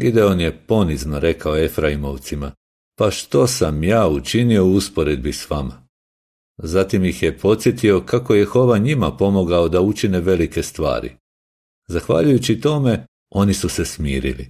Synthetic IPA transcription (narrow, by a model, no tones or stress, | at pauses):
id̪eonje̞po̞nizno̞ɾe̞kaoefɾaimo̞ʋt̪sima | paʃt̪o̞samjaːut͡ʃinio̞uuspo̞ɾe̞d̪̚bisʋama | zat̪imjixje̞pʰo̞t̪sje̞t̪io̞kako̞jexo̞ʋaɲimapo̞moɡaod̪aut͡ʃine̞ʋe̞like̞st̪ʋa̰ːɾḭ | zaxʋa̰ʎujut͡ɕit̪o̞me̞ | o̞nisuse̞smiːɾḭlḭ